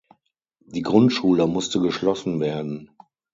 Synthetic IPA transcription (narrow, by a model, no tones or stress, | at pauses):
d̥iːɡʁʊntʃuːləmʊstəɡəʃlɔsn̩veːɐdn̩